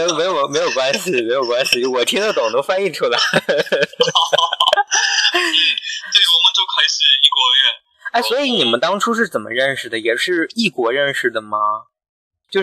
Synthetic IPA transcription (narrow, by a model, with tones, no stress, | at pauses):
e˧˥me˧˥ɪjo˨˩me˧˥ɪjo˨˩ʊkwa˥nɕi˨˩me˧˥ɪjo˨˩ʊkwa˥nɕi˨˩o˥˧wɔ˨˩t̪ʰi˥ŋd̪ə˨˩t̪ʊ˨˩˦ŋt̪o˥ʊfa˥ni˥˩ʈ͡ʂʰu˥˩la˧˩ɪ˥˩ | t̪we˥˩ɪ˩wɔ˨˩mə˧˦nt͡ɕo˥˧ʊkʰɤ˧˥i˧˩ʂɻ̩˥˧i˥˩kwɔ˧˥˧ɛ˥˩n | a˥˩ɪswɔ˧˥i˧˥ni˨˩mə˦nt̪ɑ˥ŋʈ͡ʂʰu˥ʂ̬ɻ̩˥˩t͡sə˨˩nmʔə̰˦ɻə˥˩nʂɻ̩˩d̪ə˩jɛ˨˩ʂɻ̩˥˧i˥˩kwɔ˧˥ɻə˥˩nʂɻ̩˨˩d̪ə˩mɐ˩ | t͡ɕjo˥˧ʊ